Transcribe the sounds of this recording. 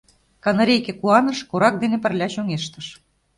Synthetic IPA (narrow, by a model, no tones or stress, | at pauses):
kɑnɑɾʲejkĕkuɑnɤ̆ʃkoɾɑk̚d̪enĕpə̆rlʲæɕoŋeʃt̪ə̆ʃ